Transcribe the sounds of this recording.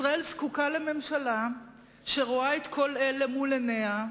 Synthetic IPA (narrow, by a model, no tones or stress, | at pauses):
ʁae̞lskukaleme̞mʃala | ʃeʁoaet̪kʰo̞lelemulenea